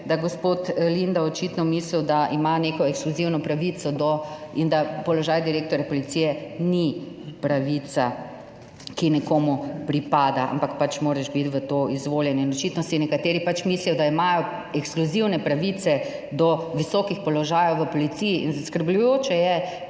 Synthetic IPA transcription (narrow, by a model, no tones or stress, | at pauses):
d̪aɡospot̪lind̪aɔt͡ʃit̪nɔmiːsliwd̪aʔimaneːkɔɛkskluziwnɔpɾaʋit̪sɔd̪ɔind̪apɔlɔʒaːjd̪iɾeːk̚t̪ɔɾjapɔlit̪sijɛni | pɾaʋit̪sa | kinɛkoːmupɾipaːd̪aa̰mpakpat͡ʃmoːɾɛʃbit̪ʋət̪oːizʋoːljɛninɔt͡ʃit̪nɔsinɛkat̪eːɾipat͡ʃmiːslijɔd̪aimajɔ | ɛkskluziwnɛpɾaʋit̪sɛ | d̪ɔʋisɔkixpɔlɔʒaːjɔwʋəpɔlit̪sijiʔinzaskəɾblujoːt͡ʃɛjɛ